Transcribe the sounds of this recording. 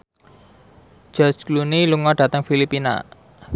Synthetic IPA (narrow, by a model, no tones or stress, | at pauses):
d͡ʒ̥ɔt͡ʃkluniluŋɔɖ̥ä̤t̪əŋfilipina̰